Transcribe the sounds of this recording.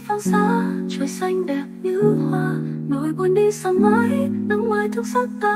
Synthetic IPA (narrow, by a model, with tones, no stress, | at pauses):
fa˧ŋzaː˧˦t͡ɕə˨˩˦jsa˧jŋ̟ɗɛ˨˩p̚ɲɨ˧˥hwaː˧˩no̰˧˨˩jɓo˧nɗi˧sa˧˩ŋma˨˦jna˧ŋlaː˨˩jt̪ɨ˨˦sa˧˥k̚t̪a˧˩